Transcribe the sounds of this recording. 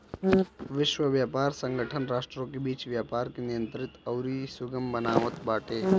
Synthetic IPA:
ʋɪʃʋəʋjaːpaːɾsə̃ŋɡʱəʈʰənɾaːʃʈɾõːkebiːt͡ʃʋjaːpaːɾkenɪjə̃nt̪ɾɪt̪ɐwɾisʊɡəmbənaːʋət̪baːʈeː

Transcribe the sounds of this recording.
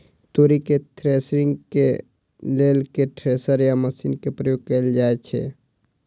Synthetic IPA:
t̪oːɾiket̪ʰɾesɾɪ̃ŋɡke | leːlkeʈʰɾesəɾjaməsḭnkepɾəjoːɡ̚keld͡ʒaːet͡ʃʰɛ̰ː

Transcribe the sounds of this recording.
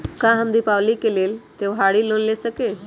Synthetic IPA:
kãɦəmd̪iːpaʋlikeleːlt̪eʋɦaɽiːlonlesəke

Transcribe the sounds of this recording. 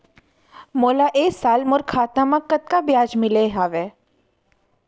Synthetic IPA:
moːlaʔeːsaːlmʊɾkʰaːt̪ãmãkət̪̚kabjaːd͡ʒmɪleːɦaːʋeː

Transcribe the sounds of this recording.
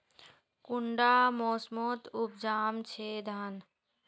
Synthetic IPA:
kʊɳɖaːmoːsmoːt̪ʊp̚d͡ʒaːmt͡ʃʰeːd̪ʱan

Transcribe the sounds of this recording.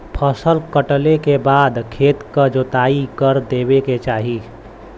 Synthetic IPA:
pʰəsəlkəʈlekebaːd̪kʰeːt̪kəd͡ʒot̪aːikəɾd̪eːbeket͡ʃaːɦi

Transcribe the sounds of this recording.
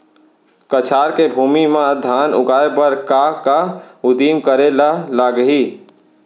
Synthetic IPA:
kət͡ʃʰaːɾkebʱuːmimãd̪ʱaːnʊ̰ɡaːepəɾkakaʊd̪iːmkəɾelalaːɡəɦiː

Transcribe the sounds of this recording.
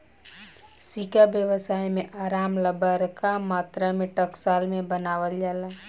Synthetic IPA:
siːkabjəʋəsaːimẽʔaːɾaːmləbəɾkamaːt̪ɾamẽʈəksaːlmẽbənaːʋəld͡ʒaːla

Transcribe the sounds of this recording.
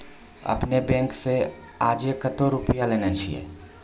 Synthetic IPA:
ɐ̰pnebɛ̃ːŋkse | aːd͡ʒjekːət̪oɾʊpjaleːnat͡ʃʰiḛː

